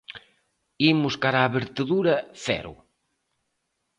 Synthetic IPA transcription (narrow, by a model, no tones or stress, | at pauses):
imuskaɾaβeɾt̪eðuɾɐfɛ̰ɾṵ